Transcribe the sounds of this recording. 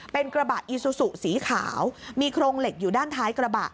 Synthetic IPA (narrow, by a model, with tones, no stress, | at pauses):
pe˧nkɾa˧ba˨˩t̪̚ʔi˨˧su˧su˨˩ʔsiː˩˦kʰa̰ː˩˦wmiː˧kʰɾoː˧ŋle˨˩k̚juː˨˩daː˥˩nt̪ʰaː˦˥jkɾa˧ba̰˨˩t̪̚